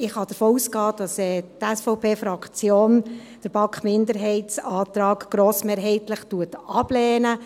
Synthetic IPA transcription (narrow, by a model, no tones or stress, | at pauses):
ɪχhɑd̥əɾfoːuːskɑːd̥ɑsɛːtɛsfɔʊpʰeːfɾɑkt͡sjoːn | d̥əɾb̥ɑkχmɪndəɾɦɛɪtsɑːt̪ɾɑːɡɡ̥ɾoːsmeːɾɦɛɪtləχtuətʔɑb̥lɛːnə